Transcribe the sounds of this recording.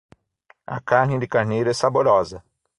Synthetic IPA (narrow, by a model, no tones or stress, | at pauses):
ɐ̰kaɾnɪd̪ɪkaɾnejɾʊɛsaboɾɔzɐ